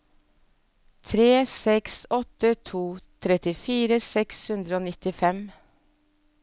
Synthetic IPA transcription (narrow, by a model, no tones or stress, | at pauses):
t̪ʰɾeːsɛksɔt̪ət̪ʰuːt̪ʰɾɛt̪ɪfiːɾəsɛkshʉnd̪ɾəoːnɪt̪ɪfɛm